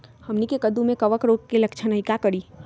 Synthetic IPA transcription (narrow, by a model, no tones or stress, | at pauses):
həmnikekəd̪umẽkəʋəkɾoːɡ̚keləkt͡ʃʰənəɦɪkakəɽiː